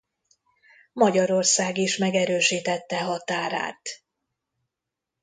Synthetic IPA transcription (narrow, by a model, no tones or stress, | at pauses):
mɒɟɒɾo̞rsaːɡiʃmɛɡɛɾøːʃiːt̪ɛt̪ːɛɦɒt̪aːɾa̰ːt̪